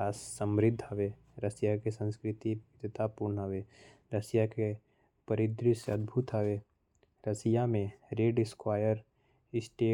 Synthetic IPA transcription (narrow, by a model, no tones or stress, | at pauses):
aːsːə̃mɾɪd̪ʱːəʋe | ɾəsijakesə̃nskɾɪt̪iɪd̪ət̪aːpuɾɳəɦəʋe | ɾəsjake | pəɾɪd̪ɾiseɐd̪bʱut̪ɦəʋe | ɾəsɪjamẽɾeːɖɪskwaːjəɾ | ɪsʈeː